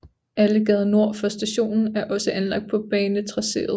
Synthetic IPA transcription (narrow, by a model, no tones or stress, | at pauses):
ʔæləɡ̥ɛð̞ˠno̝ɐ̰fɒ̽sd̥æɕo̝̰ːnn̩æɐʔɒ̽səʔænlɑ̈ɡ̥d̥pʰɒ̽b̥ɛːnət͡sʰʁɑse̝̰ːɐðˠ